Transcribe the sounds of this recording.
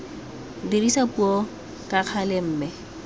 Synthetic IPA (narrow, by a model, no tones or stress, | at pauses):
dirisapuɔ | kʼaq͡χʰalɪm̩ːmɛ